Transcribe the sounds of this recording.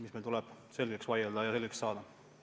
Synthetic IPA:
mismelt̪ulɛb̥se̞lɡeksvɑjeld̪ɑjɑse̞lɡekssɑːd̪ɑ

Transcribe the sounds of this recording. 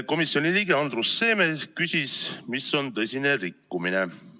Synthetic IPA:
ko̞misjo̞nʲiliːɡeɑnd̪̥ɾusːe̞ːmekysʲismisːo̞nt̪ɤsʲine̞rikːumine̞

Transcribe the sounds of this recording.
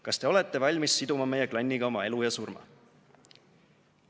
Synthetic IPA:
kɑst̪e̞o̞le̞t̪ːe̞vɑlʲmisːid̪̥umɑme̞je̞klɑnʲːiɡ̥ɑo̞mɑe̞lujɑsurmɑ̰

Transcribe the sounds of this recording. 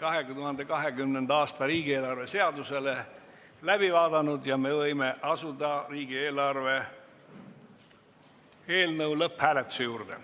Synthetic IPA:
kɑɦet̪uɦɑnd̪e̞kɑɦe̞ɡ̥ymnend̪ɑːst̪ɑɾiːɡ̥ie̞ːlɑrve̞se̞ɑd̪use̞le̞ | læb̥ivɑːd̪ɑnud̪jɑme̞vɤjme̞ʔɑsud̪̥ɑriːɡie̞ːlɑrve̞ | e̞ːlnɤwlɤphæːlet̪ːˑu̥sejuːɾd̪̥ḛ

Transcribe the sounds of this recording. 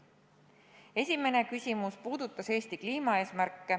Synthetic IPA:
e̞sʲime̞ne̞kysʲimuspuːd̪ut̪ːˑɑse̞ːst̪ikliːmɑe̞ːsmærkːe

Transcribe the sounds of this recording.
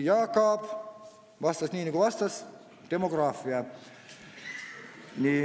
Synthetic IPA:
jɑːkɑːp | ʋɑst̪ɑsniːnːiŋkoʋɑst̪ɑs | d̪̥emoɡrɑːfːiɑ | niː

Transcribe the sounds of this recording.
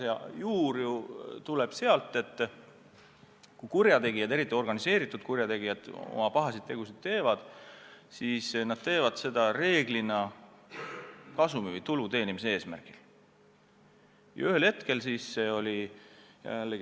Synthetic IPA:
seɑ̰juːɾjut̪ule̞b̥se̞ɑlt̪ːˑe̞t̪ːˑ | kujkurjɑt̪e̞ɡijɑd̪e̞ɾit̪ːˑio̞rɡ̥ɑnise̞ːɾit̪ːˑud̪̥̚kurjɑt̪e̞ɡijɑd̪̥o̞̰mɑpɑɦɑsid̪̥t̪ːe̞ɡ̥usid̪̥̚t̪e̞ːvɑd̪̥siːsnɑd̪̥̚t̪e̞ːvɑd̪̥se̞d̪̥ɑre̞ːɡ̥linɑ | kɑsumivɯjt̪ulut̪e̞ːnimis̬ee̞ːsmæ̰rɡ̥il | jɑ̰yhelhe̞t̪ke̞lsiːsse̞o̞lʲijæ̰lːeɡ

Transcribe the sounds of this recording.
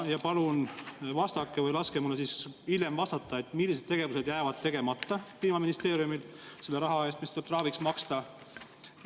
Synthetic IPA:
jɑpɑlunvɑst̪ɑkˑːevɤjlɑskemulesisiljemvɑst̪ɑt̪ːˑɑe̞t̪ːˑmilːis̬e̥t̪eɡe̞vuse̞d̪jæːvɑd̪̚t̪e̞ɡ̥e̞mɑt̪ːɑpiːmɑminist̪e̞ːɾiumilse̞lːe̞ɾɑɦɑe̞ːst̪mist̪ut̪rɑːviksmɑkst̪ɑ

